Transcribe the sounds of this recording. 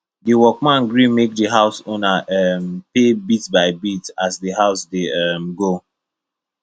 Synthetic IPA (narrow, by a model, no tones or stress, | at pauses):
diwɔk̚mãnɡɹĩmek̚dəɦaʊsonaʔɛmpebitbaɪbitasdihaʊsdeɛmɡo